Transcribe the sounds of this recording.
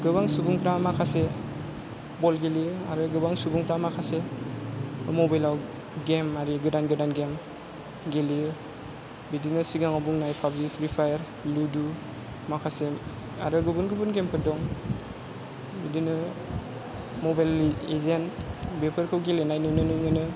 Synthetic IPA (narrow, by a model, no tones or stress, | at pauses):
ɡɯbaŋsubuŋpʰɾamakʰase | bɔlɡeliaɾɯɡɯbaŋsubuŋpʰɾamakʰase | mɔbajlaw | ɡemaɾiɡɯdanɡɯdanɡem | ɡeli | bidinɯsiɡaŋɔbuŋnajpʰabzipʰɾipʰajəɾ | ludu | makʰase | a̰ɾɯɡɯbunɡɯbunɡemkʰɯdɔŋ | bidinɯ | mɔbajlezenbepʰɯɾkʰɯwɡelenajnɯnɯnɯjnɯnɯ